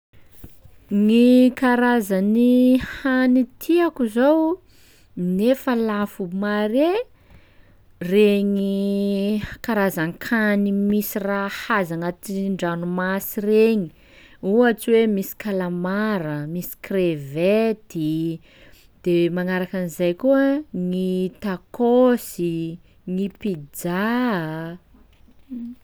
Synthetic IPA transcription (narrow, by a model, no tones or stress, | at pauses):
ŋikaɾazanihanit̪ʰiakuzow | nefəlafumaɾe | reɲi | kaɾazaŋkʰanimisirahazaŋat̪iɳɖ͡ʐanumasireɲi | uat͡siwemisi̥kalamaɾəmisi̥krevet̪i | d̪̥emaŋaɾakanizajkuəŋit̪akosi | ŋipid͡za